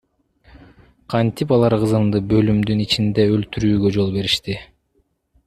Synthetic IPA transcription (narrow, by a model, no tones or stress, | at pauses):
qʰɑnt̪ipɑlˠɑɾqɯzɯmd̪ɯbø̞lymd̪ynit͡ʃind̪eølt̪yɾyːɡø̞d͡ʒo̞lˠbe̞ɾiʃt̪i